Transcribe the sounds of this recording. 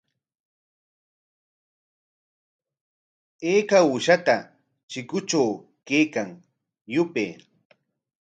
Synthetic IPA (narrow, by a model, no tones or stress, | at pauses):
eːkaʊʃat̪a | t͡ʃɪkʊt͡ʃaw | kejkaŋ | jʊpeː